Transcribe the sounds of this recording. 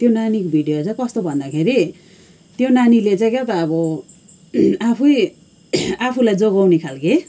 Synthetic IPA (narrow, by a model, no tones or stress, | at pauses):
t̪jonanikobʱiɖijot͡sãj̃kʌst̪obʱʌnd̪akʰeɾi | t̪jonanilet͡sãj̃ket̪aːbʌ | apʰu | apʰulajd͡zoɡawnekʰalke